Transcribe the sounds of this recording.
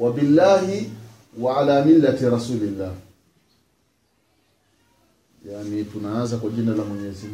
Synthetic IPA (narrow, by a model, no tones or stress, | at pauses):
wabilːaːhi | waʕalaːmilːatiɾasuːlilːaːh | janitunaanzakwaʄinalamwɛɲɛzim